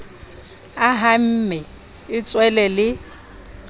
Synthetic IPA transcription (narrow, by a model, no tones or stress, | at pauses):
aɦam̩mɛ | ɪt͡sʼwɛlɛlɪ